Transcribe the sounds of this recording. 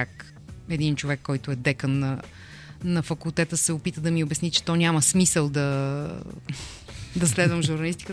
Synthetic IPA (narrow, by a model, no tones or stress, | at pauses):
ak | ɛd̪int͡ʃovɛkːɔjt̪ʊɛd̪ɛkənːɐ | nɐfɐkulˠt̪ɛt̪əsɛopit̪əd̪ɐmiobɛsnit͡ʃɛ̥t̪ɔnʲaməsmisəlˠd̪ɐ | d̪ɐslɛd̪vəmʒuɾnɐlist̪i̥kə